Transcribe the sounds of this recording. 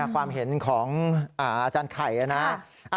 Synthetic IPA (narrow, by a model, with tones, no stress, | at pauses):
kʰwaː˧mɦe˨˩˦nkʰɔː˩˦ŋʔaː˧˩ʔaː˧t͡ɕaː˧nkʰa˨˩jʔa˧˩na˦˥ | ʔa˧